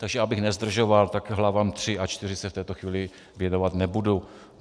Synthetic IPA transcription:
t̪aɡʒɛabɪxnɛzd̪r̩ʒovalt̪akɦlavamt̪r̥ɪat͡ʃt̪ɪrɪsɛft̪ɛːt̪oxviːlɪ | vjɛnovat̪nɛbudu

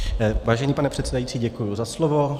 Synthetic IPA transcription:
vaːʒɛɲiːpanɛpr̝̥ɛt̪sɛdajit͡siːɟɛkujuzaslovo̞

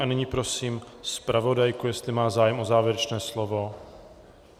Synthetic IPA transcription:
anɪɲiːpɾo̞siːmspɾʔavo̞dajkujɛst̪lɪmaːzaːjɛmʔozaːvjɛɾɛt͡ʃnɛːslovo̞

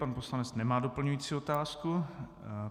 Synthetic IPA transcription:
panpo̞slanɛt͡snɛmaːdo̞pl̩ɲujiːt͡siːo̞t̪aːsku

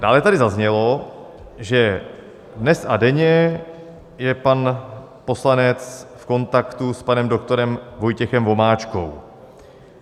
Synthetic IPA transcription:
d̥aːlɛt̪adɪzazɲɛlo̞ | ʒɛ | dnɛsadɛɲɛ | jɛpan | po̞slanɛt͡sfko̞nt̪akt̪uspanɛmdo̞kt̪o̞ɾɛmvo̞jcɛxɛmvo̞maːt͡ʃko̞̰w

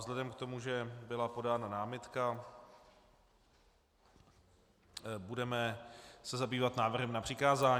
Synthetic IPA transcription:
zlɛdɛmkt̪o̞muʒɛbɪlapo̞daːnanaːmɪt̪ka | budɛmɛsɛzabiːvat̪naːvr̩ɦɛmnapr̝̥ɪkaːzaːɲ

